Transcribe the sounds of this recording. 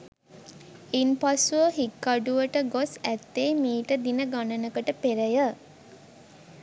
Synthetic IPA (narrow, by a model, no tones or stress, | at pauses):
inpasuʋəɦikːaɖuʋəʈəɡosæt̪ːeːmiːʈəd̪inəɡanənəkəʈəpeɾəjə